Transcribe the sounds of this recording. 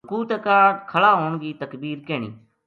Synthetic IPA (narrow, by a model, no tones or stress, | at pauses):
kuːt̪əkaːkʰəlaːɦoːɳɡiːt̪əkbiːɾkeːɳḭː